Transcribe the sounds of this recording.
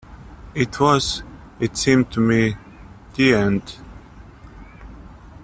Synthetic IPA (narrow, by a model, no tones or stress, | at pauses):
ɪtʰwʌz | ɪtsĩmtʰumi | d̪̥iɛ̃nd